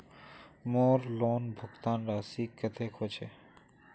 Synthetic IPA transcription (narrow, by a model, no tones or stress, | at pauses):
moːɾloːnbʱʊɡt̪aːnɾaːsikət̪ʰekʰot͡ʃʰe